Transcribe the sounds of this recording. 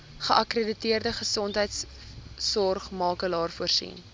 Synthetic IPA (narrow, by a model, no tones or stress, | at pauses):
χəʔɐkrəditiərdəχəsɔntɦəjtsː | ɔrχmɑːkəlɑːrfuərsḭn